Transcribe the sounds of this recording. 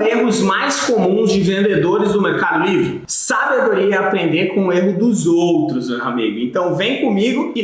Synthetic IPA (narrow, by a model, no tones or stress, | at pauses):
eɦʊzmajskomũzd͡ʒɪvẽnd̪ed̪oɾɪzd̪ʊmeɾkad̪ʊlivɾɪ | sabed̪oɾiɐapɾẽnd̪eɾkõʊeɦʊd̪ʊzowt̪ɾʊzmewa̰mḭɡʊẽnt̪ɐ̃w̃vẽj̃kõmiɡʊɪ